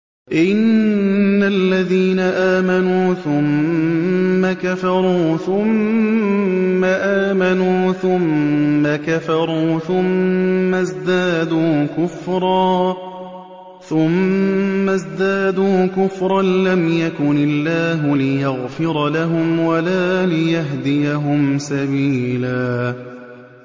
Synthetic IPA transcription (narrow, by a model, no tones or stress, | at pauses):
ʔɪnː | alːaðiːnaʔaːmanuːθʊmː | akafɑɾˤuːθʊm | aʔaːmanuːθʊmːakafɑɾˤuːθʊmːazd̪aːd̪uːkʊfɾˤɑː | θʊmː | azd̪aːd̪uːkʊfɾˤɑnlamjakʊnɪlːaːɦʊlɪjaɣfɪɾˤlaɦʊmwalaːlɪjaɦd̪ɪjaɦʊmsabiːlaː